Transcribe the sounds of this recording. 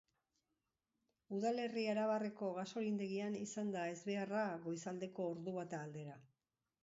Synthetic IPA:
uðale̞rieɾaβ̞are̞ko̞ɣaso̞ɾind̪e̞ɣianisand̪ae̞zβe̞araɣo̞jsald̪e̞ko̞ːɾðuβat̪aːld̪e̞ɾa

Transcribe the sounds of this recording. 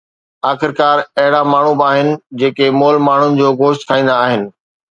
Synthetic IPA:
aːxɪɾkaːɾɐɦɪɽamaːɳ̤ubaːɦɪnɪ̆d͡ʑeːkemoːlmaːɳ̤ʊnɪ̆d͡ʑoːɣoːʃt̪kʰãːĩːn̆d̪aːɦɪnɪ̆

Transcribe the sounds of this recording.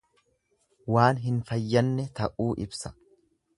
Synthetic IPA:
waːnɦɪnfɐjːɐnːɛt̪ɐʔuːʔɪbsɐ̥

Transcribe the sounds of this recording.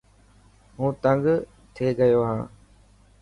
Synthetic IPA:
ɦũːt̪əŋɡ | t̪ʰeːɡəjoːɦã̰ː

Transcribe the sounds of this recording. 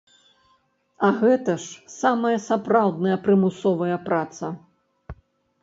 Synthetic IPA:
ɐɣɛt̪ɐʂsamɐjɐsapɾawd̪nɐjɐpɾɨmusɔvɐjɐpɾat̪sɐ

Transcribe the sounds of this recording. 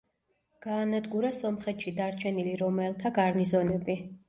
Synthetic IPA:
ɡ̥aːnad̪ɡuɾasɔmχɛt̪ʃid̪aɾt͡ʃʰɛniliɾɔmɛlˠt̪ʰaɡaɾnizɔnɛbi

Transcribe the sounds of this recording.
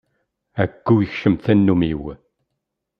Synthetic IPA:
ækːujəçʃəmθænːumiw

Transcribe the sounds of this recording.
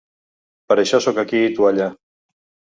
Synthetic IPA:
paɾeʃasokakiːt̪uaʎa

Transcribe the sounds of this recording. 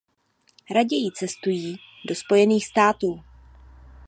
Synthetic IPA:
ɾaɟɛjɪt͡sɛst̪ujiː | do̞spo̞jɛniːxst̪aːt̪uː

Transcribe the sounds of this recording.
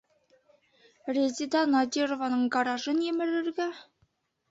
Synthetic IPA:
rʲezʲid̪ɑnɑd̪ʲirovɑnɤɴɡɑɾɑʒɤnjĕmɘ̆ɾɘ̆ɾɡæ

